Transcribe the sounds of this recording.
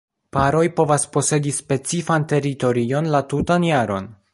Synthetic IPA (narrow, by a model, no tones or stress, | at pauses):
paɾo̞jpo̞vaspo̞se̞dispe̞t͡sifante̞ɾito̞ɾio̞nlatutanjaɾo̞̰n